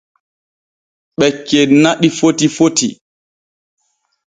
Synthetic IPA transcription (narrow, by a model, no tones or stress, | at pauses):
ɓɛkːenaɗifotifotḭ